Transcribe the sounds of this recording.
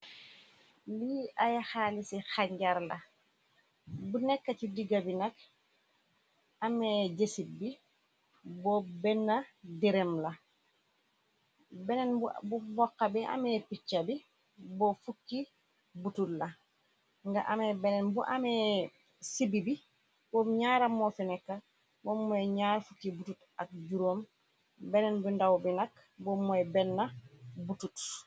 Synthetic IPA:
liajaxalisixaɲɟaɾla | bunɛkːatidiɡabinɛk | ameɟesit̚bi | bɔbɛnːadiɾemla | bɛnɛnbbubɔkːabiʔa̰mepit͡ʃːabi | bofukːi | bututla | ŋɡaʔamebɛnɛnbuʔame | sibibi | bomɲaɾamːofinɛkːa | bomːuɛɲaːɾfukːibutut | ak̚d͡ʒuɾoːm | bɛnɛnbundawbinak | bomːɔɛbɛnːabutut

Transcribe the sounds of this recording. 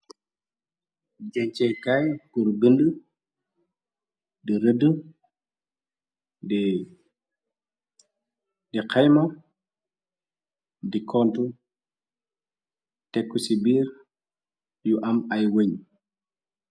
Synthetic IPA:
d͡ʒɛɲt͡ʃɛjkajkuɾbində | diɾədə | di | diqajmɔ | dikʰɔntu | tɛkːusibiːɾ | juʔɐmɐjwəɲ

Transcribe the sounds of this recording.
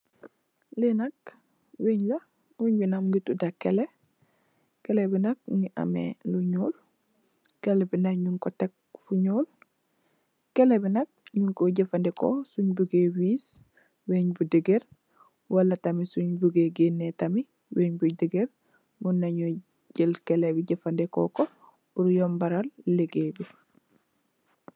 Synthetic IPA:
lenɐk | weɲla | wuɲbinamɡitudakːele | kɛlebinɐk̚ŋiʔɐ̰mḛluɲoːl | kɛlɛbinɐkɲuŋkɔtek̚fuɲoːl | kɛlebinɐk̚ɲuŋkoɟefɐndiko̰suɲbuɡewiːs | weɲbudeɡeɾ | walːɐtɐmisuɲbuɡeɡenːetami | weɲbudeɡeɾ | munːaɲu | ɟilkelebiɟɐfandekɔ̰ko | uɾjombaɾalːeɡebi

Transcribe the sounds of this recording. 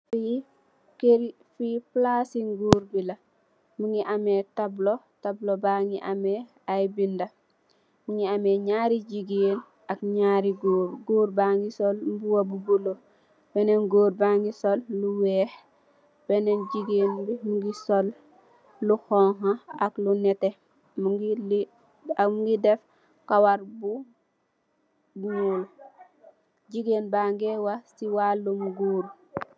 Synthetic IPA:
fi | keɾi | fiplaːsiŋɡuːɾbilɐ | muŋɡiʔamɛtablotablobaŋɡiʔamɛ | ajbindɐ | muŋiamɛɲaːɾiɟiɡeːn | akɲaːɾiɡoːɾɡoːɾbaːŋɡisolmbuwɐbubulo | b̥ɛnɛnɡoːɾbaŋɡisolːuwɛːx | b̥ɛnenɟiɡeːnbimuŋɡisolː | uxɔŋɦãaklunɛte | mɡili | muɡidɛf | kawaɾbu | buɲoːl | ɟiɡeːnbaŋɡewasiwalːumɡoːɾ

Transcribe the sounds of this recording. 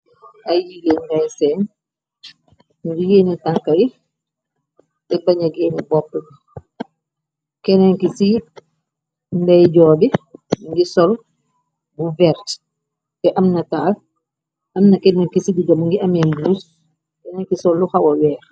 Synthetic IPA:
ajiɡendajsɛn | ndijeːnitaŋkaɾi | tɛbaɲaɡɛnibɔpːəɡu | kɛnaŋkisi | ndɛjd͡ʒɔːbiŋɡisɔl | buvɛɾt | tɛʔamnataːl | ʔamnakɛnaŋkisidiɡamuŋɡiamɛmbuːs | kɛnɛŋkisɔlːuxawɔwɛːɾ

